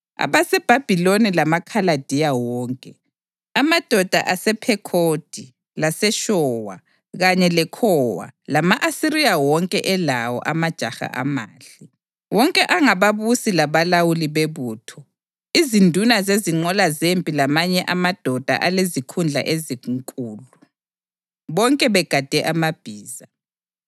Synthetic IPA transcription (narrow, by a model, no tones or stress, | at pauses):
a̰βasɛb̥ʱab̥ʱilonilamakʰalad̥ʱijawɔːŋkʼɛ | amad̥ʱɔd̥ʱa̰ʔasɛpʰɛkʰod̥ʱi | lasɛʃɔwa̰ | ɣaɲɛlɛkʰɔːwa̰lamaʔasiɾijawɔŋkʼɛʔɛlawɔ̰ʔamad̥ʒ̥ʱaxa̰ʔa̰maːɬi | wɔŋkʼɛʔaŋaβaβusilaβalawuliβeβuːtʰɔ | izindʱunazeziŋ͡ǃɔlazempʼilamaɲɛʔamad̥ʱɔd̥ʱa̰ʔalezikʰund͡ɮʱa̰ʔeziŋkʼuːlu | βɔŋkʼɛβɛɡ̥ʱad̥ʱɛʔamab̥ʱiːza